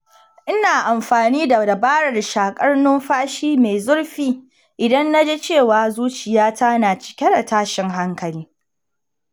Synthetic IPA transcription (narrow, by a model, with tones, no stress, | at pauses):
ʔɪ˦naː˨ʔa˨mɸaː˨niː˦da˨da˨baː˦ɽɐ˨rʃaː˨kʼɐ˦rnʊ˦mɸaː˦ʃiː˦me˨jzʊ˦ɽɸiː˦ | ʔɪ˨dɐ˦nːa˦d͡ʒeː˦t͡ʃeː˦˨waː˨zuː˦t͡ʃɪ˨jaː˦ta˦naː˨t͡ʃɪ̥˨kʲɛ˦da˨taː˦ʃɪ˨ŋɦa˦ŋkɐ˨liː˦